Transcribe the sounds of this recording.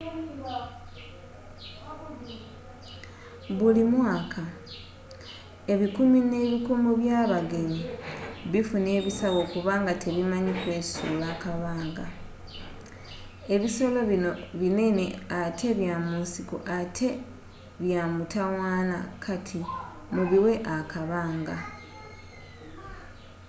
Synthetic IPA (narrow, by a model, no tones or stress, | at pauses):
βulimwaːkʰa | e̞βikumine̞ːβikumuβjaːβaɡe̞ɲiβifuneːβisaβo̞ːkuβaːŋɡatʰe̞βimaɲikwe̞̥ːsululakaβaːŋɡa | e̞βiso̞lo̞βino̞βine̞neatʰe̞βjamuːnsikṵʔatʰe̞ | βjamutawaːna̰kʰatʰi | muβiwe̞ʔakaβaːŋɡa